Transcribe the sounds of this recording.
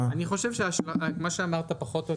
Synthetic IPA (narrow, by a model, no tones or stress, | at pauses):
aniχo̞ʃevʃeaʃlamaʃeamaʁt̪apaχo̞t̪jo